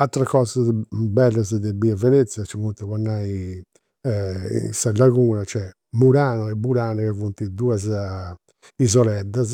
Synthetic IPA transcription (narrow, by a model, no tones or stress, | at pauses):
at̪ːɾakɔːzabɛlːazd̪ɛbiavɛnet̪sjat͡ʃivunt̪ɛwanːai | salaɣuːnat͡ʃɛ | muɾaːnɔɛbuɾaːnɛkɛvunt̪id̪uːaz | izɔlɛd̪ːaz